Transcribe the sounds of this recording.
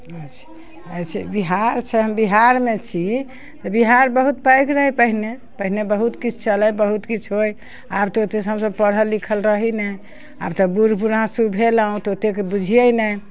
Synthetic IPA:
ət͡ʃʰ | ət͡ʃʰɛbiɦaɾt͡ʃʰɛɦəmbiɦaɾmet͡ʃʰi | t̪ɔbiɦaɾbəɦut̪̚pajkɾəɦɛpəɦine | pəɦinebəɦut̪kit͡ʃʰt͡ʃələbəɦut̪kit͡ʃʰɦoj | abt̪ɔot̪esɦəmsəb̚pəɽɦəlikʰəlɾəɦinɛj | a̰bt̪ɔbuɾpuɾãsubʱeləũt̪ot̪ekebud͡ʒʱijəjnəj

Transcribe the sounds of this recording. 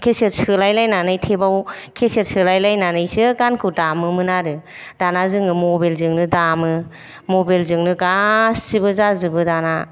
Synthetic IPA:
kʰeset̚sɯlajlajnanɯjtʰebawkʰeset̚sɯlajlajnanɯjsɯɡankʰɯdamɯmɯnaɾɯ | d̥anazɯŋɯmɔbelzɯŋnɯdamɯ | mobelzɯŋnɯɡasibɯzazɯbɯdana

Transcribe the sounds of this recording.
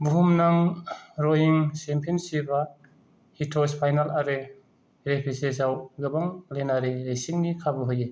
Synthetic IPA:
buɦumnaŋɾojiŋsempʰinsiba | hitʰɔspʰajnalaɾɯ | ɾepʰises̬awɡɯbaŋlenaɾeɾejsiŋnikʰabɔɦoje

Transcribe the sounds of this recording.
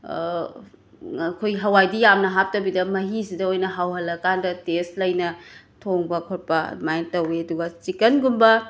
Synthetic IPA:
kʰojɦɐwajdijamnɐɦap̚tɐwbidɐmɐɦisidɐojnɐɦawɦɐlːɐkandɐtestlɐjnɐ | tʰoŋbɐkʰot̚pɐmajntɐweɐduɡɐt͡ʃikɐnɡumbɐ

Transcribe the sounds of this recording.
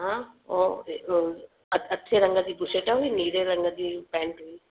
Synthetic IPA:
ɦão | ɐtːʃʰeɾɐŋɡat̪iːpʊʃeʈaɦuiniːɾeɾɐŋɡat̪ipɛ̃ːɳʈɦuiː

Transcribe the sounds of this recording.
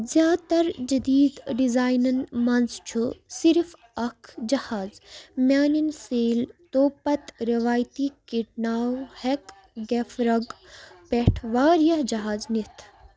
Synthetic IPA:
zjaːt̪ɐɾd͡ʒɐd̪iːd̪ɖizaːjnɐnmɐnzt͡ʃʰusiɾf | ɐkʰd͡ʒɐhaːzmʲjaːninseːlt̪oːpɐt̪ɾiʋaːjt̪ikiʈnaːwhek | ɡefɾɐɡpeʈʰʋaːɾijɐɦd͡ʒɐɦaːznit̪ʰ

